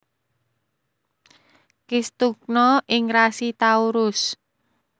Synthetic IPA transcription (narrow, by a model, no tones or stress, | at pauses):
kɪst̪uk̚nɔʔɪŋrasit̪auɾʊs